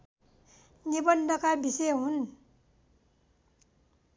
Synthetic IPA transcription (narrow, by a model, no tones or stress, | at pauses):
nibʌnd̪ʌkabiseɦun